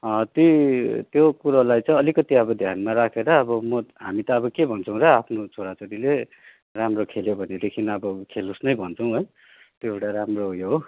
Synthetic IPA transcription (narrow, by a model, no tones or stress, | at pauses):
ʌt̪jot̪jokuɾʌlajt͡sʌ̃j̃ʌlikʌt̪iʌbʌd̪ʱjanmaɾakʰeɾʌːbʌmʌɦamit̪ʌːbʌkebʱʌnt͡sʰʌw̃ɾʌapʰnot͡sʰoɽat͡soɾile | ramrokʰeljobʱʌned̪ekʰinʌbʌkʰelusnʌjbʱʌnt͡sʰʌw̃ɦoj | t̪joeʈaɾamroɦujoɦo